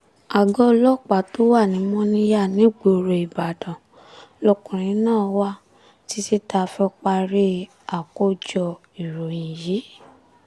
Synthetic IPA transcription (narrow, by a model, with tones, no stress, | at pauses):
a˨ɡɔ˧˦lɔ˦˨k͡pa˨to˦wa˦˨nĩ˨˦mɔ̃˦nĩ˦ja˦˨nĩ˨˦ɡ͡bo˨ɾe˨i˨ba˨dã˨ | lɔ˧kũ˨ɾ̃ĩ˨˦nãː˦˨˧wa˦ | ti˧˦si˦ta˧˦˧fɛ˧˦ɔ˧k͡pa˧ɾe˦ | a˨ko˦d͡ʒɔ˧ | i˨ɾo˨jĩ˨ji˨˦